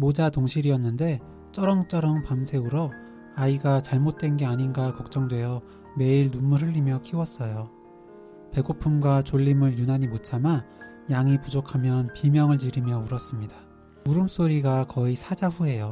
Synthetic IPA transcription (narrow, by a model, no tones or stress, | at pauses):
mod͡ʑatoŋɕʰiɾiʌnːɯnde̞ | t͡ɕ͈ʌɾʌŋt͡ɕ͈ʌɾʌŋpamsʰe̞ɯɾʌ | aiɡat͡ɕaɭmot̚t͈we̞nɡe̞aɲinɡakʌk̚t͡ɕ͈ʌŋdwe̞jʌ | me̞iɭnummuɦʰɯʎːimjʌkʰiwʌs͈ʌjo | pe̞ɡopʰumɡwat͡ɕoʎːimɯɭjunaɲimot͡ɕʰama | jaŋipud͡ʑokʰamjʌnpimjʌŋɯɭt͡ɕiɾimjʌuɾʌs͈ɯmɲida | uɾɯms͈oɾiɡakʌisʰad͡ʑaɸuɦe̞jo